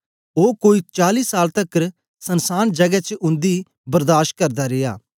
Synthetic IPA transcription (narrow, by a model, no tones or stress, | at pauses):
oːkoːit͡ʃaːliːsaːlt̪ɐkːɾ | sɐnsaːnd͡ʒɐɡɛt͡ʃʔʊ̃nd̪i | bɐɾd̪aːʃ̚kɐɾd̪aɾeːa̰ː